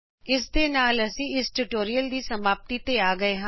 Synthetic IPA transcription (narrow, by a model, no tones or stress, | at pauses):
ɪsd̪eːnaːləsĩːɪsʈuʈoːɾijəld̪iːsəmaːp̚t̪iːt̪eːaːɡəeːɦã